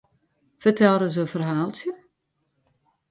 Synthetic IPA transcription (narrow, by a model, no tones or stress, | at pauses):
fərtɛlɾəzəfərɦaːlˠtjə